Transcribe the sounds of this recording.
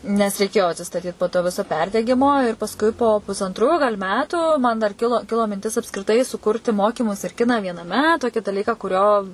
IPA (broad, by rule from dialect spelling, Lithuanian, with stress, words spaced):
nʲɛs rʲɛɪˈkʲeːjoː ɐtʲsʲɪstɐˈtʲiːt poː toː ˈʋʲɪsoː ˈpʲɛrʲdʲɛɡʲɪmoː ɪr pɐsˈkʊɪ poː pʊsɐnˈtruː ɡɐlʲ ˈmʲæːtuː mɐn dɐr ˈkʲɪlˠoː ˈkʲɪlˠoː mʲɪnʲˈtʲɪs ɐpskrʲɪˈtɐɪ sʊˈkʊrʲtʲɪ ˈmoːkʲɪmʊs ɪr ˈkʲɪnɑː ʋʲiɛnɐˈmʲɛ ˈtoːkʲɪ dɐˈlʲiːkɑː kʊˈrʲoː